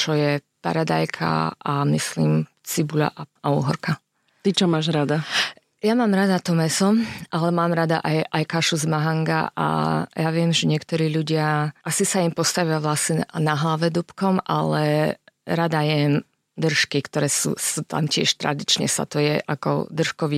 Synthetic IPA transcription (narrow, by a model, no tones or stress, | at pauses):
t͡ʃɔjɛ | pa̰ɾad̪a̰jkʰa̰amisliːm | t͡sibula̰ʔauːɦɔɾka | t̪it͡ʃɔmaːʒɾad̪a | jamaːmɾad̪at̪ɔmɛsɔʔalɛmaːmɾad̪a̰ʔajʔajkaʃuzmaɦaŋɡa̰ʔa̰jaʋɪɛmʒɛɲɪɛkt̪ɔɾiːʎuɟɪaʔasisaimpɔst̪aʋɪaʋlasɲɛnaɦlaʋɛd̪upkɔmʔalɛɾad̪ajɛm | d̪r̩ʃkikt̪ɔɾɛsṵːsuːt̪a̰mcɪɛ̰ʃt̪ɾa̰d̪it͡ʃɲɛ̰sa̰t̪ɔjɛʔakɔ̰d̪r̩ʃkɔʋi